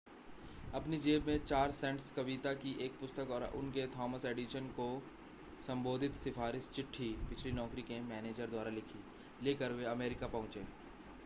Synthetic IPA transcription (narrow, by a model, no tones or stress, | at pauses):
ɐpnid͡ʒeːbmẽt͡ʃaːɾsɛ̃ːɳʈskɐʋit̪akiʔeːk̚pʊst̪əkɔːɾʊ̰nket̪ʰɔːməseːɖiʃənko | sɐ̃mboːd̪ʱɪt̪sɪfaːɾɪʃt͡ʃɪʈʰːipɪt͡ʃʰlinɔːkɾikemɛːneːd͡ʒəɾd̪waːɾalɪkʰi | leːkəɾweɐmeːɾɪkapɐɦʊ̃t͡ʃeː